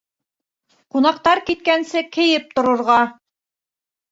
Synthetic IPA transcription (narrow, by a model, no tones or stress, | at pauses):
qunɑqt̪ɑɾkit̪̚kænsɘkɘ̆jɘp̚t̪ŏɾŏɾʁɑ